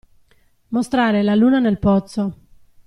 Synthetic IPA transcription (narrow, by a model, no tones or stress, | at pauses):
most̪ɾaːɾelaluːnanelpɔt̪sːo